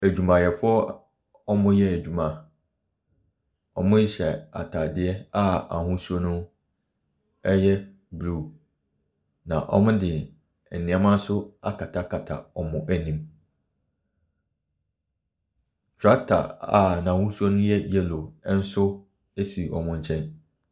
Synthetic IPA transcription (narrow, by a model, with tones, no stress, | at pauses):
æ˨d͡ʑᶣu˨mã˨jɛ˨fʊ˦ɔ˦ | ɔ˦mʊ̃˦jɛ˦æ˨d͡ʑᶣu˨mã˨ | ɔ˨mʊ̃˦jɪ˦ɕɛ˨a̰˨tʰa˨dɪ˦ɛ˦a˦˨a˨hʊ̃˦su˦ɔ˦nʊ̃˦ | ɛ˦jɛ˦ | blu˦˨ | nã˨ʔɔ̰˨mʊ̃˦dɪ˨ | nɪ̃˨˦a˨mã˦n˦sʊ˦a̰˦kʰa˨tʰa˦kʰa˨tʰa̰˨ɔ˨mʊ̃˦ʔæ˨nĩ˨m | t͡ɕʰᶣa˦tʰa̰˨a̰˨nã˨hʊ̃˦su˦o˦nʊ̃˦jɛ˦jɛ˦lo˨˦n̩˦sʊ˦ | e˦si˨ɔ̰˨mʊ̃˦ɲ̩˦t͡ɕʰɛ̃˦n